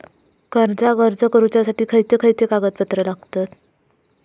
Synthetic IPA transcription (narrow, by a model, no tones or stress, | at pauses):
ɡəɾd͡zaɡəɾd͡zəkəɾut͡ɕjasaʈiːkʰəjt̪ekʰəjt̪ekaɡət̪pət̪ɾəlaɡt̪at̪